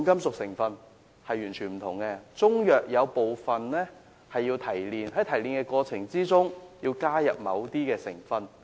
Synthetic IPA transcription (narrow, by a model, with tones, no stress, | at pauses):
kɐ˥msʊ˨k̚sɪ˨˩ŋfɐ˧n | hɐ˨jːyː˨˩nt͡ʃʰyː˨˩nm̩˨˩t̪ʰʊ˨˩ŋkɛː˧t͡sʊ˥ŋjœː˨k̚jɐ˨˧wpo˨wfɐ˨nlɛː˥ | hɐ˨jːiː˧wt̪ʰɐ˨˩jliː˨˧nhɐ˨˥jt̪ʰɐ˨˩jliː˨˩nkɛː˧kɔː˧t͡sʰɪ˨˩ŋt͡siː˥t͡sʊ˥ŋjiː˧wkaː˥jɐ̰˨p̚mɐ̰˨˧wt̪iː˥kɛː˧sɪ˨˩ŋfɐ˨n